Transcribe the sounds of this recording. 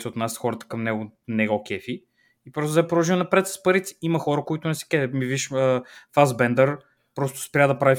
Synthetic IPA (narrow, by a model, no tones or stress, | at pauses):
t̪ɛot̪nasxɔɾət̪ə̥kɐmnɛɡʊnɛɡɔkɛfi | ipɾɔst̪ʊzɛpɾɔʒinɐpɾɛt̪sə̥spɐɾit̪ʲi̥imɐxɔɾəkʊit̪ʊnɛsɛ̥kɛmiviʃəfazbɛnd̪əɾ | pɾɔst̪ʊ̥spɾʲad̪ɐpɾavi